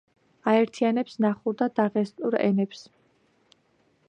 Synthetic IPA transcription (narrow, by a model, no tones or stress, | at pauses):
aɛɾt̪ʰianɛpsnaχuɾd̪ad̪aʁɛst̪ʼuɾɛ̰nɛps